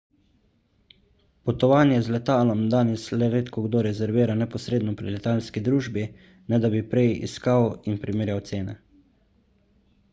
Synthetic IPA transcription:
pɔt̪ɔʋaːnjɛzlɛt̪aːlɔmd̪aːnɛslɛɾeːt̪kɔɡd̪oɾɛzɛɾʋiːɾanɛpɔsɾeːd̪nɔpɾilɛt̪aːlskid̪ɾuːʒbi | nɛd̪abipɾɛjḭskawinpɾimeːɾjawt̪seːnɛ

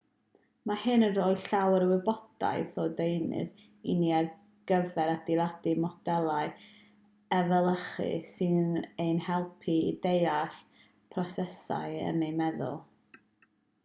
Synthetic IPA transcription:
mahɨnənroːɨɬawəɾəwɪbɔd̥a̰jθoːdejnɨ̰ð | ḭniar | ɡ̥əvɛɾad̥ilˠadimɔd̥ɛlˠaɨ | ɛvɛlˠəχɨ̰sɨnejnhɛlˠpʰiidejaɬ | pʰrɔsɛsa̰ɨə̰nejmɛðʊ̰lˠ

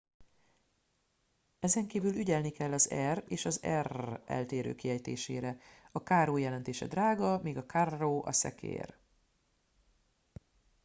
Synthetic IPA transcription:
ɛzɛŋkiːvylyɟɛlnikɛlːɒzɛreːʃɒzɛrɛ̰lt̪eːɾø̰ːkiɦɛjt̪ḛːʃḛːɾɛɒkaːroːjɛlɛnt̪eːʃɛ̰d̪raːɡɒmiːɡɒkarːoːʔɒ̰sɛ̰kʰḛːr

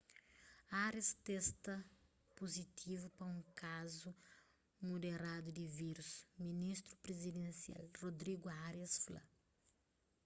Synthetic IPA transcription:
aɾɐst̪ɛst̪ɐ | pozit̪ʰivupɐũkazu | mod̪eɾad̪ʊd̪ɪviɾusminist̪ɾupɾezid̪ẽnsia̰lrod̪ɾiɡuaɾɐsflɐ̰

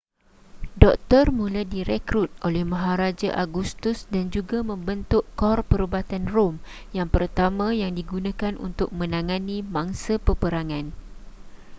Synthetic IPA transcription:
dɔk̚t̪ɔrmũladiɾɛkɾut̪̚ʔolɛhmãɦaɾad͡ʒaʔaɡust̪usdand͡ʒuɡamə̃mbənt̪ʊʔkɔrpəɾubat̪anrom | jaŋpərt̪amãjaŋdiɡunãkanṵnt̪ʊk̚mə̃nãŋãnĩmãŋsapəpəɾaŋãn

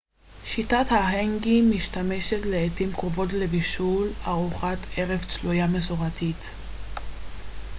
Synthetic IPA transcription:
ʃitathaɦeŋɡimiʃtame̞ʃetle̞ːtimkʁovo̞tlebiʃulaʁuχatʰeʁevt͡slujamesuʁatʰit

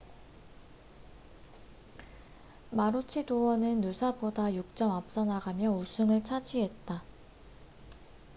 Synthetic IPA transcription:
maɾut͡ɕʰidowʌnɯnːusʰabodajuk̚t͡ɕ͈ʌmap̚s͈ʌnaɡamjʌusʰɯŋɯɭt͡ɕʰad͡ʑiɦe̞t̚t͈a

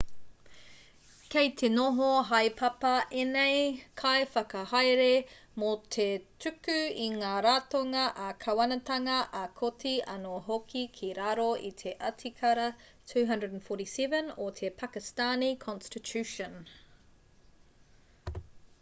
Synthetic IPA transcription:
kejt̪ʰenoɦoɦɐjpʰɐpɐʔenejkʰɐjfɐkɐhajɾe | mot̪ʰetʉkʉiŋaːɾaːtoŋɐʔɐkʰɐwɐnɐtɐŋɐʔɐkʰotiɐnoɦokʰikʰiɾaɾoʔḭt̪ʰe̞ʔɐtʰikʰɐɾɐ | tʰʉːɦɐ̃ndɹədnfoɾisɛvə̃not̪ʰepʰakɪstanikʰɔ̃nstitʰʉʃə̃n

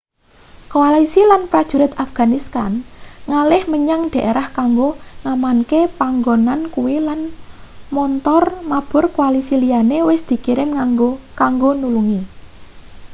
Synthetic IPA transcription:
koalisilanpɾad̥ʒ̥ṳɾɪt̪afɡ̥a̤nist̪anŋalɪhməɲaŋd̪̥a̤ʔeɾahkaŋɡoŋamankepaŋɡonankuwilanmɔnt̪ɔrmab̥ʊ̤rkualisilianewɪsd̪̥i̤kiɾɪmŋokaŋɡonuluŋi

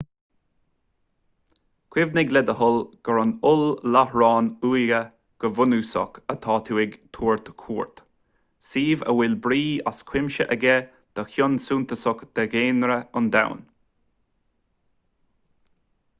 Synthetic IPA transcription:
kʰw̥ɪvnɪɡlɛd̪əhʊlɡ̥əɾɔnʊllahɹɑːnuːjɡə | ɡ̥əvʊnuːsɔ̰kət̪ʰɑːt̪ʰuːɪɡt̪ʰuːɹt̪kʰuːɹt̪ | siːvə̰wɪlbɾiːa̰skʰw̥ɪmʃəʔəɡɛ | d̪̥əxjʊnsuːnt̪əsɔkd̪̥əɡeːnɾəʊnd̪a̰wn

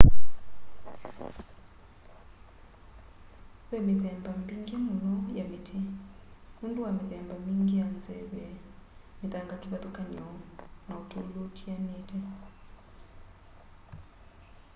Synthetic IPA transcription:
βɛmit̪ɛmbambiŋɡimulɔjamitʰi | mundʼuwamiðɛmbamiŋɡiand͡zɛβɛmit̪aŋɡatʰiβat̪ɔkʰanɛɔnautʰuulutʰianeːtʰʼɛ

